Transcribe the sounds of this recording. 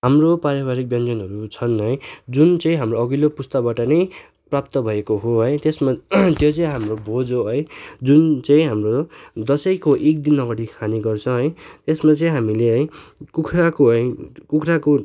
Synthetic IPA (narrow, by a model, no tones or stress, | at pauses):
ɦamropaɾaβaɾik̚bjʌnd͡zʌnɦʌɾut͡sʰʌnʌj̃d͡zunt͡sʌĩɦamroʌɡilopust̪abaʈʌnʌj | prap̚t̪ʌbʱʌekoɦoɦʌjt̪esmat̪jot͡sʌĩɦamrobʱod͡zoɦʌjd͡zunt͡sʌĩɦamrod̪ʌsʌjkoʔek̚d̪inːʌɡʌɽikʰaniɡʌrt͡sʰʌ̃ɦʌjt̪esmat͡sʌĩɦamileɦʌj̃kukʰrakoɦʌjkukʰrako